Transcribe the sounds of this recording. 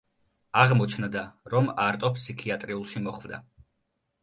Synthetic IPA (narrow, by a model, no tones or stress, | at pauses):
aʁmɔt͡ʃʰnd̪aɾɔmaɾt̪ʼɔpʰsikʰiat̪ʼɾiulˠʃimɔχvd̪a̰